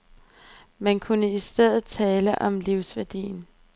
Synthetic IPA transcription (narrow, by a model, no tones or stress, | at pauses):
mænkʰunəisd̥eð̞̰ˠð̩ˠt͡sʰɛːləʔɒ̽mliʊsʋæɐd̥ḭːn